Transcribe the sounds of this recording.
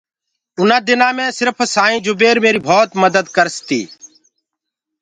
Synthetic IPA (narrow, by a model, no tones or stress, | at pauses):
ʊnãːd̪ɪnãːmẽːsɪɾpʰsaːĩːd͡ʒʊbeːɾmeːɾiːbʱoːt̪məd̪əd̪kəɾst̪ḭː